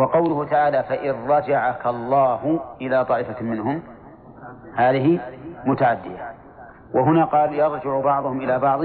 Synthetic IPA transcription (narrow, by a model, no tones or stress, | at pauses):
wɑqɑwlʊhʊt̪aʕaːlafaʔɪrːɑd͡ʒaʕakalˤːɑːhʊʔɪlaːt̪ˤɑːʔɪfamɪnɦʊm | haːðɪɦɪmʊt̪aʕad̪ːɪja | waɦʊnaqɑːljɑɾˤd͡ʒɪʕʊbɑʕðˤʊhʊmʔɪlaːbɑʕðˤ